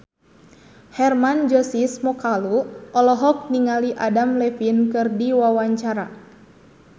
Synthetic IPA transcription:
hɛrmand͡ʒɔsismɔkaluʔɔlɔɦɔk̚niŋaliʔadamlɛfinkɨrdiwawaɲt͡ʃaɾa

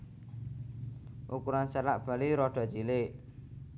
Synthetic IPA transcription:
ʔukuɾansɛlaʔb̥a̤liɾɔɖ̥a̤t͡ʃilɪʔ

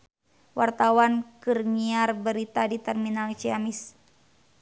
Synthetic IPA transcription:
wart̪awankɨrɲiarbəɾit̪adit̪ɛrminalt͡ʃiamis

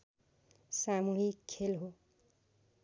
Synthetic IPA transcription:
samuɦikʰːelɦo

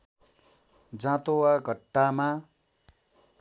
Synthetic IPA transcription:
d͡zãt̪owaɡʱʌʈːama

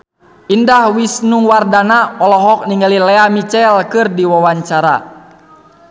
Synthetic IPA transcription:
ʔindahwisnuŋwardanaɔlɔɦɔk̚niŋalilɛamit͡ʃɛlkɨrdiwawaɲt͡ʃaɾa̰

